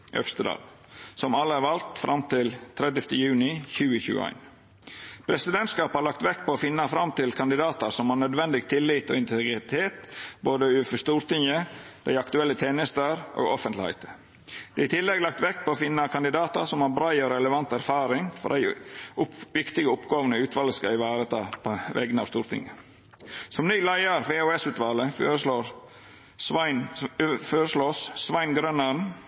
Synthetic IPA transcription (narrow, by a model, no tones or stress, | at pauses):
ʔœ̰fst̪əd̪ɑ̰ːl | sɔmɑlːəæɾʋɑlt̪fɾʔɑmt̪ɪlt̪ʰɾɛd̪əft̪əjʉːnɪçʉːəçʉ̰ːə̰æ̰ɪn | pʰɾɛsɪd̪ɛnt̪skɑːphɑɾɭɑkt̪ʋɛkːpʰɔoːfɪnːɑfɾɑmt̪ɪlkʰɑnd̪ɪd̪ɑːt̪əɾsɔmhɑnœd̪ʋɛnd̪ɪɡt̪ʰɪlːɪːt̪o̰ːɪnt̪ʰɛɡɾɪt̪ʰeːt̪boːd̪əʉːfɔʂt̪uːɾt̪ɪŋəd̪̥æɪɑkt̪ʉɛlːət̪ʰeːnəst̪əɾʔo̰ːɡɔfənt̪lɪhæ̰ɪt̪ə | d̪̥ɛːɪt̪ʰɪlːɛɡlɑkt̪ʋɛkːpʰɔoːfɪnːɑkʰɑnd̪ɪd̪ɑːt̪ə̰sɔmhɑɾbɾɑɪɔɾɛləʋɑnt̪æɾfɑːɾɪŋfɔ̰ɾdæ̰ɪʊʋɪkt̪ɪɡəʊpɡɑːʋənəʉːt̪ʰʋɑːlːəskɑɪʋæːɾət̪ʰɑːpʰoʋɛ̰ɡnɑ̰ʋst̪uːɾt̪ʰɪ̰ŋə | sɔmnyːlæɪɑɾʋeːoːɛsʉːt̪ʋɑːləloːɾ | ɪnføːɾəsloːssʋɑɪnɡɾœnəɳ